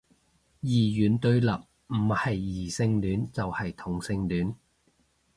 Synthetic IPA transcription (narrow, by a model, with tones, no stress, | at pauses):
jiː˨˩jyː˨˥nt̪ɵ˧ɥlɐ˨p̚ | m̩˨˩hɐ˨jːiː˨˩sɪ˧ŋlyː˨˥nt͡sɐ˨whɐ˨jt̪ʰʊ˨˩ŋsɪ˧ŋlyː˨˥n